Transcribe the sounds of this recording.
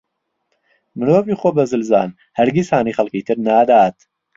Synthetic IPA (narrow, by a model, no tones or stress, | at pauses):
mɨɾoːviːχobɐzɨlza̰ːn | hɐɾɡʲishaːniːχɐlˠkiːt̪ʰɨɾnaːd̪aːt̪